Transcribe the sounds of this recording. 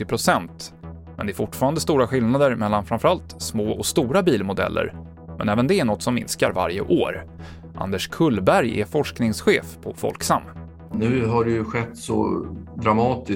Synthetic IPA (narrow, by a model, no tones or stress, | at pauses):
ɪpʰɾʊsɛnt̪ | mɛnd̪ɛæɾfʊʈːfɑːɾand̪əst̪uːɾaɧɪlnad̪əɾmɛlːanfɾanfœɾalt̪smoːʔɔkst̪uːɾabiːlmʊd̪ɛ̰lːʔə̰ɾ | mʔɛnɛːvənd̪ɛæɳɔt̪ːsɔmːɪ̰nska̰ɾva̰ɾjə̰ʔoːɾ | ʔa̰nd̪əʂkʰɵlːbæɾjɛ̰fɔʂknɪŋsɧeːfpʰɔfɔ̰lksamː | nʉ̟ːɦaɖɛjɵɧɛt̪ːsɔ̰d̪ɾamɑːt̪ɪ